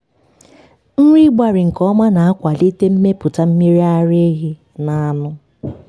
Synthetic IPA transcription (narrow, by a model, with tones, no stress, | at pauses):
n̩˦ɾi˦ɡ͡ba˨ɾɪ˨ŋ̩˨kɔ˦ma˦na˨a˦kʷa˨li˦te˦m̩˦me˦pʊ˨ta˦m̩˦mi˦ɾi˦a˦ɾe˦ɣɪ˦ | na˨a˦˨nʊ˦